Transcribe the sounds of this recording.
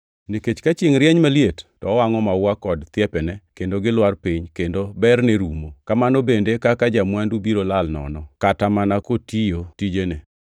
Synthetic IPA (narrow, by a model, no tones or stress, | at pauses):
niket͡ʃkat͡ʃɪŋɾjɛɲmaljettɔwaŋɔmawakɔdt̪jɛpɛnɛkendoɡɪlwarpiɲkendobɛrnɛɾumokamanobendekakad͡ʒamwandubiɾolalnɔ̰nɔkatamanakotijotid͡ʒene